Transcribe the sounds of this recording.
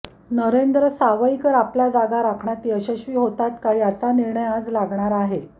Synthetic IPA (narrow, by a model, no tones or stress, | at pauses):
nəɾend̪ɾəsaʋəikəɾaplad͡zaɡaɾakʰɳat̪iːəɕəɕʋiːɦot̪at̪kajat͡saniɾɳəjad͡zlaɡɳaɾaɦe